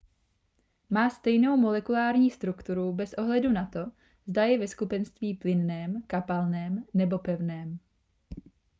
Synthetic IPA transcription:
maːst̪ɛjno̞wmo̞lɛkulaːɾɲiːst̪ɾukt̪uɾubɛsʔo̞ɦlɛdunat̪o̞ | zdajɛvɛskupɛnst̪viːplɪnnɛːmkapalnɛːmnɛbo̞pɛvnɛːm

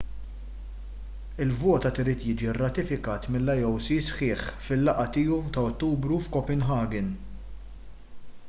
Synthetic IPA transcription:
ɪlvɔːt̪ɐt̪ɪɾiːt̪jiːd͡ʒiɪrːɐt̪ɪfɪkɐːt̪mɪlːɐjɔwsisħɪːħfɪlːɐʔɐt̪ɪːut̪ɐɔt̪ːuːbɾufkɔpɛnɦɐːɡɪn

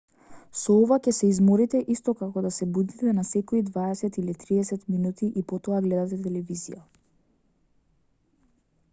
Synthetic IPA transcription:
sɔɔvacɛsɛizmɔɾit̪ɛʔist̪ɔkakɔd̪asɛbud̪it̪ɛnasɛkɔid̪vaɛsɛt̪ilit̪ɾiɛsɛt̪minut̪iʔipɔt̪ɔaɡlɛd̪at̪ɛt̪ɛlɛvizḭja

